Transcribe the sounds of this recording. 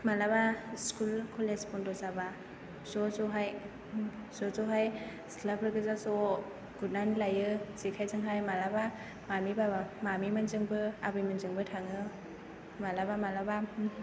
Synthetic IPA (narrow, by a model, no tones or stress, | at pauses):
malabaskulkʰɔlespʰɔndɔzaba | zɔzɔɦaj | zɔzɔɦaj | sklabʰɾɯɡɯzazɔ | ɡ̥ut̚nanlajɯz̥ikʰajzɯŋɦajmalaba | mamibabamamimanzɯŋbɯabɯjmanzɯŋbɯtʰaŋɯ | malabamalaba